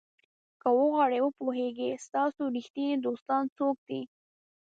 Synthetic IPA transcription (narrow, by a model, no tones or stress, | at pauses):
kəwəɣwɑɽewəpoɦeɡest̪ɑsoɾixt̪id̪ost̪ɑnt͡sok̚d̪̥i